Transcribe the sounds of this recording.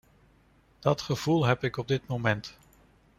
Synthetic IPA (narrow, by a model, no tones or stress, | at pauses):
d̥ɑtχəv̥ulˠɦɛpɪkɔb̚dɪtmomɛnt